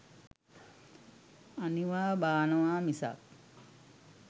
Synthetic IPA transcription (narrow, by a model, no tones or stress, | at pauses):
aniʋaːbaːnəʋaːmisa̰k̚